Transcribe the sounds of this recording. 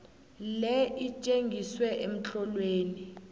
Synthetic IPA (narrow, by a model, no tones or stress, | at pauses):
lɛit͡ʃʼeŋɡʱiswɛʔem̩t͡ɬɔlweːni